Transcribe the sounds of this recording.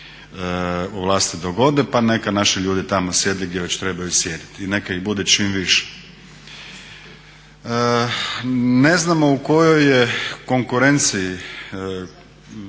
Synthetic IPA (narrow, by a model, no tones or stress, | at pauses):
uʋlˠaːst̪id̪oɡo̞d̪epanekanaʃiʎuːd̪it̪amosjed̪eɡd̪ʲjeʋet͡ɕt̪ɾebajusjeːd̪it̪inekaiɣbud̪et͡ʃiːmʋiʃe̥ | ne̞znamo̞uko̞jojeko̞ŋkuɾe̞nt̪siji